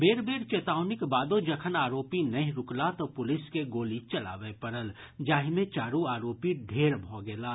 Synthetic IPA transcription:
beːɾbeːɾt͡ʃeːt̪aːʊnɪkbaːd̪od͡ʒɐkʰənaːɾoːpinɐĩɾʊklat̪opʊlɪskeɡoːlit͡ʃɐla̰ːʋepɐɾəld͡ʒaːɦimẽt͡ʃaːɾuaːɾoːpiɖʱeːɾbʱɔːɡeːlaː

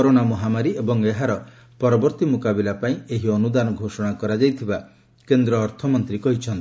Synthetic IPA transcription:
ɔɾoɽamɔɦamaɾiebɔŋeɦaɾɔ | pɔɾɔbɔɾt̪imukabilapaĩeɦiɔnud̪anɔɡʱosɔɽ̃akɔɾad͡ʒajt̪ʰiba | kend̪ɾɔːɾt̪ʰɔmɔnt̪ɾikɔɦit͡ʃʰɔnt̪i

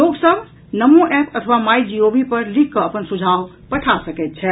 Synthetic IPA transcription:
loɡsəb | nəmoʔepʰət̪ʰəʋamajd͡ʒiobipəɾlikʰːəəpənsud͡ʒʱaw | pəʈʰasəkɛt̪̚t͡ʃʰɛ

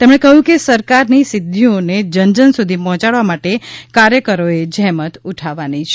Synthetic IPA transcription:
t̪emɽ̃ekəɦjũkesəɾkaɾnisɪd̪ʱːioned͡ʒənd͡ʒənsud̪ʱipɔɦt͡ʃaɽʋamaʈekaɾjəkəɾoed͡ʒɛɦmət̪uʈʰaʋanit͡ʃʰe

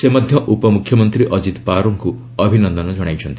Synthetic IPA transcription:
semad̪ʱjɔʔupɔmukʰjɔmɔnt̪ɾiʔɔd͡ʒit̪paɾɔŋku | ɔbʱinɔnd̪ɔnɔd͡ʒɔɽ̃ajt͡ʃʰɔnt̪i̥

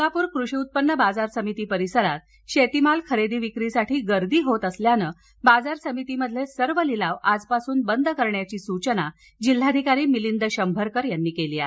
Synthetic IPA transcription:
kapuːɾkɾuʂiut̪̚pənːəbad͡zaɾsəmit̪iːpəɾisəɾat̪̚ | ɕet̪imalkʰəɾed̪iːʋikɾisaʈʰiːɡəɾd̪iːɦot̪əsljanəː | bad͡zaɾsəmit̪iːməd̪ʱlesəɾʋəlilaʋad͡zpasuːnbənd̪ʱəkəɾɳjat͡ɕiːsut͡ɕəna | d͡ʑil̤ːad̪ʱikaɾiːmilind̪əɕəmbʱəɾkəɾjanːiːkeliːa̰

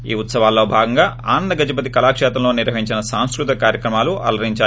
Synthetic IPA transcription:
iːut̪sɐʋaːlːo̞ːbʱaːɡɐŋɡaːʔaːnɐnd̪ɐɡɐd͡ʒip̬ɐt̪̬ikɐlaːkʂɛːt̪ɐmlo̞ːniɾʋɐɦiɲt͡ʃinɐsaːnskɾut̪ɐkaːɾjɐkɾɐmaːluʔɐ̰lɐɾiɲt͡ʃaː

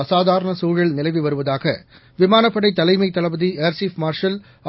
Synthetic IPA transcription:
ɐsaːðʱaːɾɐɳɐsuːɻɐɭnɪlɐɪʋɯʋɐɾɯʋɐðaːɣɐ | ʋɪmaːnɐpːɐɽɐɪt̪ːɐlɐɪmɐɪt̪ːɐlɐʋɐðieɾsifmaːɾʂɐl | ɐ

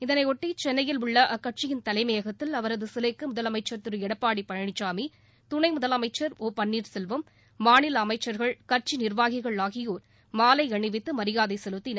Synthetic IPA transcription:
ɪðɐnɐɪɔʈːit͡ʃɛnːɐjɪlʊɭːɐʔɐkːɐʈ̚t͡ʃɪjɪnt̪ɐlɐɪmɐjɐɣɐt̪ːɪlɐʋɐɾɐðɯsɪlɐɪkːɯmʊðɐlɐmɐɪt͡ʃːɐɾt̪ɪɾɯɛɽɐpːaːɽipːɐɻɐɳɪt͡ʃːaːmi | t̪ʊɳɐɪmʊðɐlɐmɐɪt͡ʃːɐɾoːpɐɳːiːɾsɛlʋɯmː | aːnɪlɐmɐɪt͡ʃːɐɾɣɐɭkɐɾt͡ʃinɪɾʋaːɣɪɣɐɭaːɣɪjoːɾ | maːlɐɪɐɳɪʋɪt̪ːɯmɐɾɪjaːðɐɪsɛlɯt̪ːin

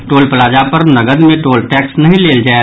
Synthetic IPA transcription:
ʈoːlpəlaːd͡ʒapɐɾnɐɡəd̪mẽʈoːlʈɛːksnɐɦĩleːld͡ʒae

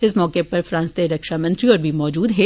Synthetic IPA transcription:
ɪsmɔːkepɐɾfɾãːnst̪eɾɐkʃamɐ̃nt̪ɾiɔːɾbʱimɔːd͡ʒuːd̪ɦɛː

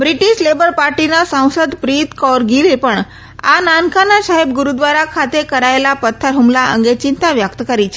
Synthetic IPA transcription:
bɾiʈiɕlebəɾpaɾʈinasə̃w̃səd̪pɾit̪kɔɾɡiɾipəɳ | a̰nankʰanaɕaɦib̚ɡuɾud̪ʋaɾakʰat̪ekəɾaelapət̪ʰːəɾɦumlaə̰ŋɡet͡ɕint̪aʋjəkt̪kəɾit͡ɕʰe

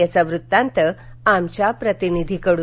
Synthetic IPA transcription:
at͡saʋɾut̪ːãnt̪ə | amt͡ɕjapɾət̪inid̪ʱikəɽuː

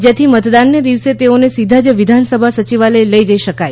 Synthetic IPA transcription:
d͡ʒet̪ʰimət̪d̪anːed̪iʋset̪eonesid̪ʱad͡ʒʋid̪ʱansəbʱasət͡ʃiʋaleləid͡ʒəiʃəkaj

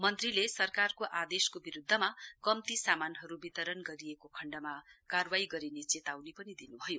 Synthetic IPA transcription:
mʌnt̪rilesʌrkarkoʔad̪eskobiɾud̪ʱːʌmakʌmt̪isamanɦʌɾubit̪ʌɾʌnɡʌɾiekokʰʌɳɖamakarwaiɡʌɾinet͡set̪awnepʌnid̪inubʱʌjo

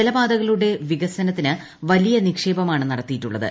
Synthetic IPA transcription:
elɐbaːd̪ɐɣɐɭuɽe̞ʋiɣɐsɐnɐt̪ːinɨ | ʋɐlijɐnikʂe̞ːbɐmaːɳɨnɐɽɐt̪ːijitːuɭːɐðɨ̰

